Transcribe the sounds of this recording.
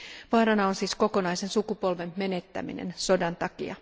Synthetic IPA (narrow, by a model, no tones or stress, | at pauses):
ʋɑːɾɑnɑonsiːsko̞ko̞nɑjse̞nsukupo̞lʋe̞mme̞net̪ːæ̰mḭnḛnso̞dɑnt̪ɑkḭɑ